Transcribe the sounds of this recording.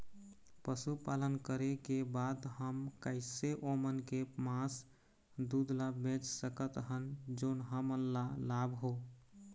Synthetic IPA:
pəsupalənkəɾekebad̪həmkəɪseʔomənkemãs | d̪ud̪labẽt͡ʃsəkət̪ɦənd͡ʒoːnɦəmənlalabʱɦo

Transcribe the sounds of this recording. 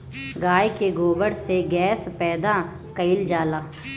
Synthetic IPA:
ɡaːjkeɡoːbəɽseɡɛːspɛːd̪a | kəɪld͡ʒaːlaː

